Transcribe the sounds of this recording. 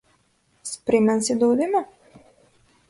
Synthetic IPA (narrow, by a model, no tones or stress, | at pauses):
sʲpʲɾʲɪmʲɛnʲsʲɪd̪ɐʊd̪ʲɪmɐ